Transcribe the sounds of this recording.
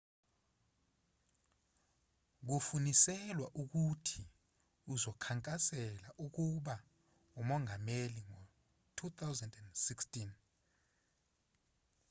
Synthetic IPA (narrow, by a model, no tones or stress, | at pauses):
k̬ufunisɛlwaʔuk̬utʰi | uzɔkʰaŋkʼasɛlaʔuk̬uɓa | umɔŋʱameliŋɔ | tʰut̪ʰawzɛndɛndsikstʼin